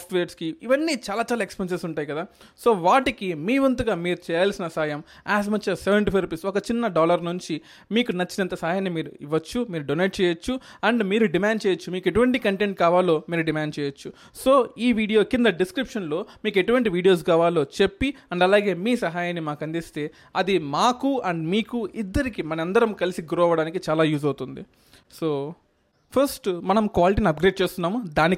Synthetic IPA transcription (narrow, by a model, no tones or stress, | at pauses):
sʈʋeːʈskiːʋɐnːit͡ʃaːlaːt͡ʃaːlaːekspens̬esuɳʈaːjikɐd̪aː | so̞ːʋaːʈikimiːʋɐnt̪uɡaːmiːɾut͡ʃɛːjaːlsinɐsaːjɐm | aːs̬mɐt͡ʃːɐseʋeɳʈipʰɐɾepiːsɔkɐt͡ʃinːɐɖɔːlɐɾnuɲt͡ʃi | miːkunɐt͡ʃːinɐnt̪ɐsaːjaːnimiːɾuiʋɐt͡ʃːumiːɾuɖoneːʈ̚t͡ʃɛːjɐt͡ʃːuɐɳɖmiːɾuɖimaːɳɖ̚t͡ʃɛːjɐt͡ʃːumiːke̞ʈuʋɐɳʈikɐɳʈeɳʈ̚kaːʋaːlo̞ːmiːɾuɖimaːɳɖt͡ʃɛːjɐt͡ʃːu | so̞ːiːʋiːɽijo̞ːkind̪ɐɖiskɾipʂɐnlo̞ːmiːke̞ʈuʋɐɳʈiʋiːɽijo̞ːs̬kaːʋaːlo̞ːt͡ʃe̞pːiɐɳɖɐlaːɡe̞ːmiːsɐɦaːjanːimaːkɐnd̪ist̪e̞ː | ɐd̪imaːkuɐɳɖmiːkuid̪ːɐɾikimɐnɐɐnd̪ɐɾɐmkɐlisiɡuɾɔːʋɐɽaːnikit͡ʃaːlaːjuːzɐwt̪und̪ḭ | soː | pʰɐɾsʈmɐnɐmkʋaːliʈ̬inɐp̚ɡɾeːɖ̚t͡ʃeːst̪unːaːmud̪aːni